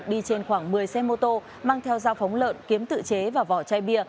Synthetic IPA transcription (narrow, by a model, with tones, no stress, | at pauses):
t̚ɗi˧t͡ɕe˧nxwaː˧˩ŋmɨ˨˩əjsɛ˧mo˧t̪o˧ | maː˧ŋt̪ʰɛ˧wzaː˧wfɔ˨˦wŋ͡mlə̰ː˧˨nki˨˦əmt̪ɨ̰˧˨t͡ɕe˨˦vaː˨˩vɔ˧˩t͡ɕaː˧jɓi˧ə